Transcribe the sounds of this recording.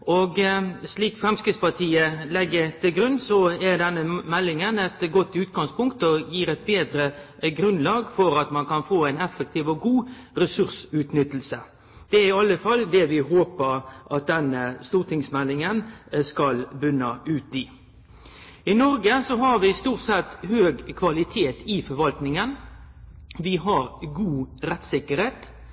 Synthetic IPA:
ɔɡsliːkfʁɛmskɾɪt̪spɑt̪ʰiːəlɛɡːət̪ʰɪlɡɾʉnːsɔæʁd̪ɛnːəmɛlːɪŋənɛt̪ɡɔt̪ːʉːt̪̚ɡɑŋspʰʊŋkt̪ɔjiːɾɛɪt̪̚beːd̪ɾəɡɾʉnlɑːɡfɔɾɑt̪mɑnkɑnfoːæɪnɛfːək̚t̪ʰiːʋɔɡuːɾɛsʉɾsʉːt̪nʏt̪ːl̩sə | d̪̥ɛæɪɑlːəfɑld̪ɛʋɪɦoːpəɾʔɑt̪̚d̪ɛnəst̪uːɾt̪ʰɪŋsmɛlːɪŋənskɑlbʉnəʔʉːt̪ɪ | ɪnɔɾɡəsɔɦɑɾʋɪst̪uːʁʈ̪sɛt̪ːhøːɡkʰʋɑlɪt̪ʰeːt̪ɪfɔɾʋɑlt̪nɪŋən | ʋɪɦɑɾɡuːɾɛt̪sɪkːəɾheːt̪

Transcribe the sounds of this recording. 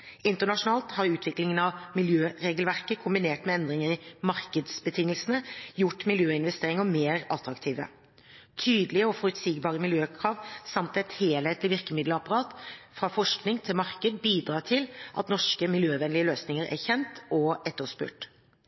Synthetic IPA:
ɪnt̪əɳɑʂʊnɑːlt̪hɑɾʉːt̪ʰʋɪklɪŋənɑʋmɪljøːɾeːɡlʋæʁkəkʰʊmbɪneːʈmɛɛnd̪ɾɪŋəɪmɑɾkəd̪sbət̪ʰɪŋːəlsənəjʊʈmɪljøːɪnʋɛst̪eːɾɪŋəmeːɾɑt̪ɾɑkt̪ʰiːʋə̰ | t̪ʰyːd̪lɪəɔfɔɾʉt̪siːɡbɑːɾəmɪljøːkʰɾɑːʋsɑmt̪ɛt̪heːlheːt̪lɪʋɪɾkəmɪd̪ləɑpɑʁɑːt̪fʁɑfɔʂknɪŋt̪ʰɪlmɑɾkəd̪biːd̪ɾɑːt̪ʰɪlʔɑ̰t̪nɔʂkəmɪljøːʋɛnlɪəløːsnɪŋəɾæ̰çɛnt̪ʔɔɛt̪ːəspʉ̰ːʈ

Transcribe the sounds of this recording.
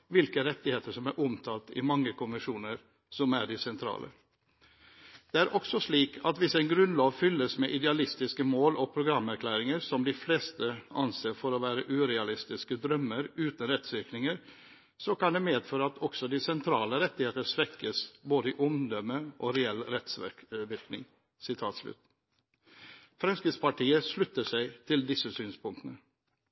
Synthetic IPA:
ʋɪlkəɾɛt̪ːɪheːt̪əʂɔmæɾʔʊmt̪ʰɑːlt̪ɪ̰mɑŋːəkʊnmɪʂuːnəɾ | sɔmæɖɪsɛnt̪ʰɾɑ̰ːlʔə̰ | d̪̥ɛæɾʔɔksɔʂɭiːkʰɑt̪ʋɪsæɪnɡɾʉnlɑːʋfʏlːəsmɛʔɪd̪ɛɑlɪst̪ɪskəmoːlɔpʰɾʊɡɾɑmːæɾkʰlæːɾɪŋəɾsɔmd̪ɪfleːst̪əɑnseːfɔɾɔʋæːɾəʔʉːɾɛɑlɪst̪ɪskəd̪ɾœmːəɾʉːt̪nɾɛt̪sʋɪɾknɪŋəɾ | sɔkɑnd̪ɛmeːd̪føːɾəɑt̪ʰɔksɔd̪iːsɛnt̪ʰɾɑːləɾɛt̪ːɪheːt̪əʂʋɛkːəsboːd̪əɪʔʊmd̪ɔməʔoːɾɛɛlɾɛt̪sʋɪɾknɪ̰ŋ | sɪt̪ʰɑːt̪slʉ̰t̪ | fɾɑnskɪspɑʈiːəʂlʉt̪ːəʂæɪt̪ʰɪld̪ɪsːəsyːnspʊŋt̪ənə

